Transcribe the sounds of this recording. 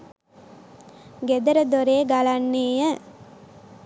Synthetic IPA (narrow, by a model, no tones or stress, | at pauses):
ɡed̪əɾəd̪oɾeːɡalanːeːjə